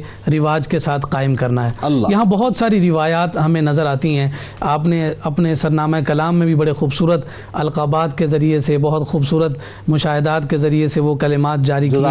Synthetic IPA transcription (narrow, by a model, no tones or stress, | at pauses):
ɾɪʋaːd͡ʒkesaːt̪ʰqaːɪmkɐɾnaɦɛːjɐɦãbɐɦʊt̪saːɾiɾɪʋaːjaːt̪ɦɐmẽnɐzəɾaːt̪iɦɛ̃ː | aːpneɐpnesɐɾnaːmaekɐlaːmːẽbʱibɐɽexuːbsuːɾət̪ | ɐlqaːbaːd̪kezɐɾiesebɐɦʊt̪xuːbsuːɾət̪ | mʊʃaːɦɪd̪aːt̪kezɐɾieseʋokɐlɪmaːt̪̚d͡ʒaːɾikii